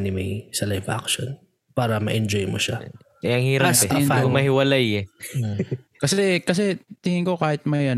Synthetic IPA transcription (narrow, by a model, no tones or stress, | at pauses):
nɪmɐjsɐlajba̰kʃo̰n | paːɾɐmɐ̰ʔɛnd͡ʒojmoʃa | ʔɛɐŋhiːɾɐpɛmɐhɪwɐlajɛ | kɐsɛkɐs̬ɛt̪ɪŋɪŋkokaːhɪt̪̚mɐjɐ